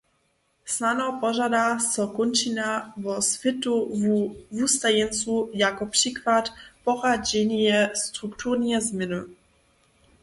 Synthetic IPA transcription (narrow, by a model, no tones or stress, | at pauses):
snanɔpɔʒad̪asɔkɔnt͡ʃinavɔsfʲɪt̪u | vust̪ajɛnsujakɔpʂikvat̪pɔʁad͡ʑɛɲjɛst̪ɾukt̪uɾnɛzmʲɛnu